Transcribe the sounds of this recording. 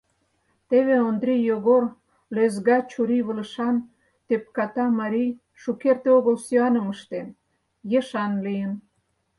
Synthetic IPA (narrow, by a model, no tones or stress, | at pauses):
t̪eβeond̪ɾʲijoɣor | lezɣɑt͡ɕuɾiβələʃɑn | t̪ep̚kɑt̪ɑmɑɾʲij | ʃukert̪eoɣəlsyɑnə̆məʃt̪en | jeʃɑnlijən